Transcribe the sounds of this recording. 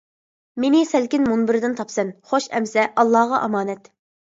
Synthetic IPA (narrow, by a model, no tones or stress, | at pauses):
menɪsɛlkʲinmunbɪɾɪd̪ɪnt̪ʰɑpsɛnχoʃɛ̰msɛʔɑlˠːɑʁɑʔɑmɑːnɛt̪